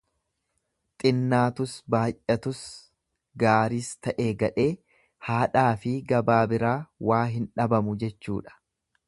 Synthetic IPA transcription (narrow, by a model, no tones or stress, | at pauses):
t̪ʼɪnːaːt̪ʊsbaːjʔʔɐt̪ʊs | ɡaːɾiːst̪ɐʔeːɡɐᶑe̞ː | haːᶑaːfɪɡɐbaːbɪɾaːwaːɦɪnᶑɐbɐmʊd͡ʒɛt͡ʃːṵːᶑɐ̥